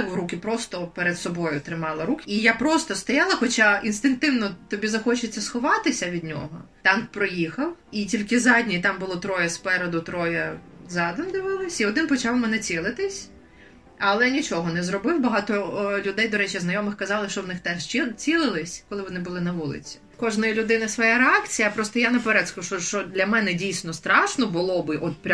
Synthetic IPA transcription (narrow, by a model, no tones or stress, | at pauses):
ʊɾukʲɪpɾɔst̪ɔpɛɾed̪sɔbɔjʊt̪ɾɪmɑlˠɐɾukijapɾɔst̪ɔst̪ɔjɑlˠɐxɔt͡ʃaʔinst̪ɪŋk̚t̪ɪwnɔt̪ɔbʲizɐxɔt͡ʃɪt͡sʲːɐsxɔʋɑt̪ɪsʲɐʋʲid̪ʲnʲɔ̰ɦɔt̪ɑnkpɾɔjixɐwitʲilʲkɪzɑdʲnʲiit̪ɑmbʊlˠɔt̪ɾɔjɛspɛɾɛd̪ʊt̪ɾɔjɐzɑd̪ɔmd̪ɪʋɪlˠɪsʲiɔd̪ɪnpɔt͡ʃɑwmɛnɛt͡sʲilˠɪt̪ɪsʲ | ɐlˠɛnʲit͡ʃɔɦɔnɛzɾɔbɪwbɐɦɑt̪ɔlʲʊd̪ɛjd̪ɔɾɛt͡ʃijɐznɐjɔmɪxkɐzɑlˠɪʃt͡ʃɔwnɪxt̪ɛʃt͡ʃit͡sʲilˠɪlˠɪsʲkɔlˠɪʋɔnɪbʊlˠɪnɐʋulˠɪ̰t͡sʲi̥ | kɔʒnɐjilʲʊd̪ɪnɐsʋɔjaɾeɑkt͡sʲijɐpɾɔst̪ɔjanɐpɛɾɛt̪skʊʃɔʃt͡ʃɔd̪ʲlʲɐmɛnɛdʲijsʲnɔst̪ɾɑʃnɔbʊlˠɔbɪʔɔt̪̚pɾʲ